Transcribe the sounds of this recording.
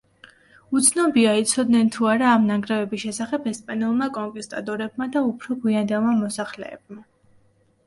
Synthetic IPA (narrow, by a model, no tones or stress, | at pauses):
ut̪sʰnɔbiait̪sʰɔd̪nɛnt̪ʰuaɾaːmnaɡɾɛvɛbisʃɛsaχɛbɛspʼanɛlˠmakʼɔŋkʼist̪ʼa̰t̪ʼɔɾɛbmad̪aupʰɾɔɡwiand̪ɛlˠmamɔsaχlɛ̰ːb̚ma